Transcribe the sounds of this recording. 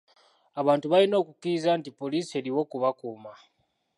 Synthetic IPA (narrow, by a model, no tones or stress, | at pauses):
aβaːntuβalino̞ːkukiɾizantipːo̞liːsie̞ɾiwo̞kuβakuːma